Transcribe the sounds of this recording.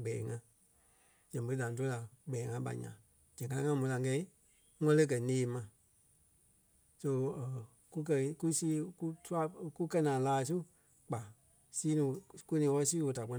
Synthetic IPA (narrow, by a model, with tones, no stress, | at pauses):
ɡ͡bɛː˨˦ŋã˧˦ | d͡ʒ̥ɛ̃˨bə˨˦da˨˦t̬o˧˦la˨ɡ͡bɛː˨˦ŋã˧˦ɓa̰˨ɲã̰˨ | d͡ʒ̥ɛ̃˨ka˧˦a˧˦ŋã˧˦mũ˨˦la˧˨˦kɛ˧i˦ | ŋɔ̃˦lə˦k̬ɜ˨neː˨˦mã˧˨ | so˧˨ | ku˦k̬ɜ˧˦ku˦siː˦ku˦tʰu˦a˦ku˦kɜ˧˦nãː˨˦laː˧˦˧s̬u˦ | k͡pa˨ | siː˦nĩ˨˧˨ku˦nĩː˨˧wɔ˧˦ɔ˦˧siː˦wo˧da˨k͡pɔ˧